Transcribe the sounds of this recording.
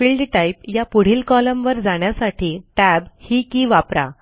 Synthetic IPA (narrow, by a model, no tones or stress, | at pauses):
fiːlɖʈaipjapuɽ̤iːlkɔləmʋəɾd͡zaɳjasaʈʰiːʈæbhiːkiːʋapɾa̰